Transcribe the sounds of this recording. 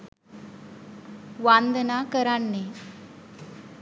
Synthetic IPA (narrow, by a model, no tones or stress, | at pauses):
ʋand̪ənakəɾaɳːe